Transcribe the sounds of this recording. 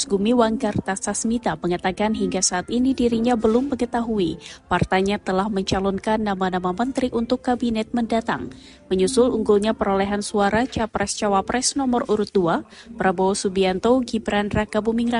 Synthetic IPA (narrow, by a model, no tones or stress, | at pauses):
sɡumiwaŋkart̪asasmit̪aməŋat̪akanɦiŋɡasaːt̪inidiɾiɲabəlʊmːəŋət̪aɦuipart̪aɲat̪əlahməɲt͡ʃalɔnkanːamanamamənt̪ɾiʔunt̪ʊkːabinɛt̪̚məndat̪a̰ŋ | məɲusʊluŋɡulɲapəɾolɛɦansuaɾat͡ʃapɾɛst͡ʃawapɾɛsnɔmɔruɾʊt̪̚duapəɾabosubiant̪oɡibɾanrakabumiŋra